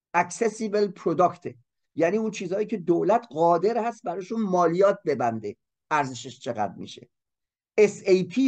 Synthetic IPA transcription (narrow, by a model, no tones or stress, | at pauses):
ʔæksesibelpʰɾod̪ɒkt̪ʰe | jæniːuːnt͡ʃʰiːzhɒːjiːcʰe̞d̪oːlæt̪ʰɢɒːd̪e̞ɾhæst̪̚bæɾɒːʃunmɒːlijɒːt̪̚be̞bænd̪e | ʔæɾzeʃeʃt͡ʃʰe̞ɣæ̰d̪mḭːʃe̞̰ | esejpʰiː